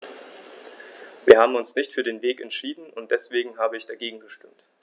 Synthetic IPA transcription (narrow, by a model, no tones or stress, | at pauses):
viːɐhaːbm̩ʊnsnɪçtfyːɐdeːnveːkɛntʃiːdn̩ʊntd̥ɛsv̥eːɡŋ̩ɦaːbəɪçd̥aɡeːɡŋ̩ɡəʃtʏmt